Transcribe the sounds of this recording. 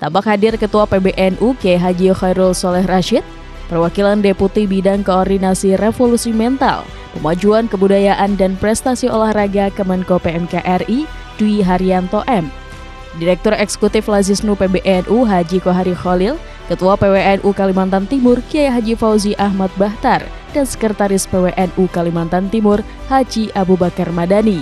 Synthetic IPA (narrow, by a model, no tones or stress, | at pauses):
t̪ampak̚hadɪrkət̪uapebeʔɛnʔukiajɦad͡ʒixajɾulsɔlɛhraʃɪt̪̚ | pərwakilandeput̪ibidaŋkoːrdinasirefolusimɛnt̪a̰l | pəmad͡ʒuankəbudajaʔandanpɾɛst̪asiolahraɡakəmənkopeɛmkaʔɛri | duiɦaɾiant̪oʔɛm | diɾɛk̚t̪ɔrɛksə̥kut̪ɪflazisnupebeʔɛnʔuɦad͡ʒikoɦaɾixolɪl | kət̪uapeweʔɛnʔukalimant̪ant̪imʊrkiajaɦad͡ʒifauziʔaɦmat̪̚baht̪ar | d̥ansə̥kəɾət̪aɾɪspeweʔɛnʔukalimant̪ant̪imʊr | had͡ʒiʔabubakarmadani